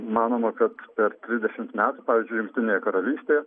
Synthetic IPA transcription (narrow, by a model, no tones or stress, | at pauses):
mɑːnoːmɐkɐt̪pʲɛɾt̪ʲɾʲɪzd̪ʲɛʃʲɪmt̪mʲæːt̪upɑːʋʲɪːzʲd͡ʒʲʊɪjʊŋkt̪ʲɪnʲejɛkɐɾɐlʲiːsʲt̪ʲeːjɛ